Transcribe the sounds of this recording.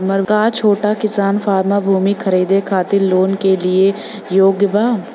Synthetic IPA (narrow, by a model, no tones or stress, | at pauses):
mɐɾkat͡ʃʰoːʈakɪsaːnfʰaːɾmabʱuːmikʰɐɾiːd̪ekʰaːt̪ɪlloːnkelie | joːɡjəbaː